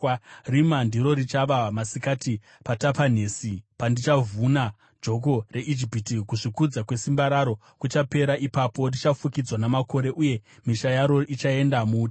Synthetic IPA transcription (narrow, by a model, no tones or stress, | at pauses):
rimandiɾo̞ɾit͡ʃaʋamasikati | patapan̤eːsipandit͡ʃavuna | d͡ʒo̞k̬o̞re̞ʔid͡ʒipitikuʐikud͡zakwe̞simbaɾaɾo̞ | kut͡ʃape̞ɾaʔipapo̞ndit͡ʃafukid͡zwanamako̞ɾe̞ʔuje̞miʃajaɾo̞ʔit͡ʃae̞ndamuːt